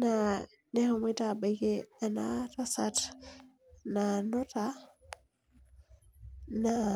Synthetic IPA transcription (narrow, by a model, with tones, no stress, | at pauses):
na˨ | ne˦ho˨me˦ta˦ɓa˨ke˦a˨na̰˦ta˦sa˦t | na˨no˦ta˦ | na˨